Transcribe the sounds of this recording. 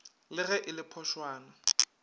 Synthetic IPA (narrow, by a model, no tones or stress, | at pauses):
lɪɣɛʔɪlɪpʰɔʃwaːna